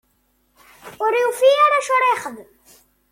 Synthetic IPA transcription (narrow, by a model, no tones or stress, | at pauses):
ʊɾufiaɾaʃʊɾeχəð